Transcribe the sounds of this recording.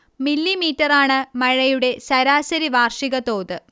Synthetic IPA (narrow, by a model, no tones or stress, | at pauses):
milːimiːtːɐraːɳɨmɐɻɐjuɽe̞sɐɾaːsɐɾiʋaːrʂiɣɐt̪o̞ːt̪ɨ